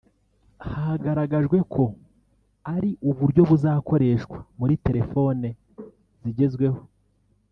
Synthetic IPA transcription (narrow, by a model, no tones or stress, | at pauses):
haaɡaɾaɡaʒɡwe̞kʰo̞ | aɾiʔuβuɾɟo̞βuzaːko̞ɾe̞ʃkwamuɾite̞ɾe̞fo̞ːne | ziɟe̞zɡwe̞ho̞